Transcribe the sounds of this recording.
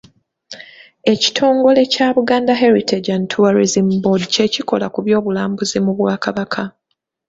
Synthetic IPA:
e̞ci̥tʰo̞ːŋɡo̞le̞caːβuɡaːndaɦeɾitʰed͡ʒantʰuaɾizimbodice̞ciko̞̰lakuβjo̞ːβulaːmbuzimuβwaːkaβakʰa

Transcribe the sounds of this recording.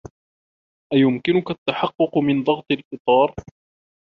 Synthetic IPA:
ʔajʊmkɪnʊkat̪ːaħɑqːʊqmɪnd̪ˤɑɣt̪ˤɑlʔɨt̪ˤɑːɾˤ

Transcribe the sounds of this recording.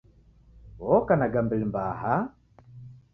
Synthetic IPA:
wɔkanaɡambilimbaha

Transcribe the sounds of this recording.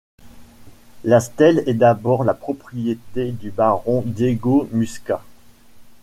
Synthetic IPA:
last̪ɛlɛd̪abɔʁlapχɔpχijet̪ed̪ybaʁɔ̃d̪jeɡomyska

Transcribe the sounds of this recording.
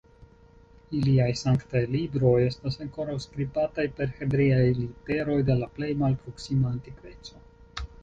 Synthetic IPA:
iliajsaŋktajlibɾo̞je̞stasaŋko̞ɾawskɾibatajpe̞ɾhe̞bɾiajlite̞ɾo̞jde̞laple̞jmalpɾo̞ksimaːntikve̞t͡so̞

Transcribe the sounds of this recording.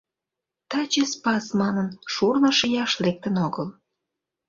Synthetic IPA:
t̪ɑt͡ɕespɑsmɑnənʃurnə̆ʃəjɑʃlek̚t̪ənoɣəl

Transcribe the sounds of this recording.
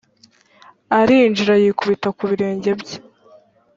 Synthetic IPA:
aɾind͡ʒiɾajikuβitakuβiɾe̞ːɲɟe̞bɟe̥

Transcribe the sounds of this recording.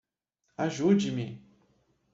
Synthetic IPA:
aʒud͡ʒɪmɪ

